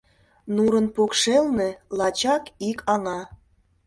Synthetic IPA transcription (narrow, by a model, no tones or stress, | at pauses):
nuɾə̆npokʃelnĕlɑt͡ɕɑkikʰɑnɑ